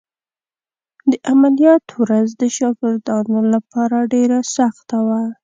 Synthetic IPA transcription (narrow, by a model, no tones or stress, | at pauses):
d̪əʔamalijɑt̪wɾazd̪əʃɑɡɪɾd̪ɑnolapɑɾaɖeɾasaxt̪awa